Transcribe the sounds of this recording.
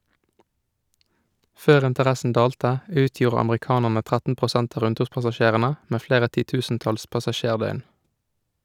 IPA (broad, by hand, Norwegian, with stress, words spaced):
ˈføːʁ ɪntəˈʁæsn̩ ˈdɑːltə ˈʉːˌtjuːʁə ɑmʁɪˈkɑːnəʁnə ˈtʁætn̩ pʁʊˈsænt ˈɑː ˈɾʉnˌtʉːʁpɑsɑˌʃeːʁənə ˈmeː ˈfleːʁə ˌtiːˈtʉːsn̩ˌtɑls pɑsɑˈʃeːʁˌdœʏn